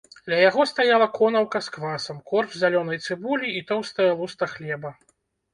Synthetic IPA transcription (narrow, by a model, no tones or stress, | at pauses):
d̪lʲɐjaɣɔst̪ajalˠɐkɔnɐwkɐskvasɐmkɔrvzʲalʲɔnɐjt̪sɨbulʲiːt̪ɔwst̪ɐjɐlˠust̪ɐxlʲɛbɐ